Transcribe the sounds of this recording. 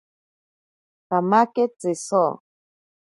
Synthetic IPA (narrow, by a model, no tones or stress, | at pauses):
tamaket͡sesɔ